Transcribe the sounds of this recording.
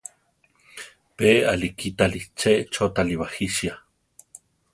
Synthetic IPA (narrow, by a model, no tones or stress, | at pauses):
pea̰likit̪alit͡ʃeʔt͡ʃot̪aliwahiʃja